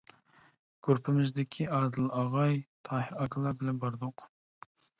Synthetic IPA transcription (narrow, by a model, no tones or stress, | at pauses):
kʰʲøɾpʰɪmɪzd̪ɪkʲʰiɑd̪ɨlˠɑʁɑjt̪ʰɑːhɪɾɑkʰlˠɑbɪlɛnbɑɾd̪ʊq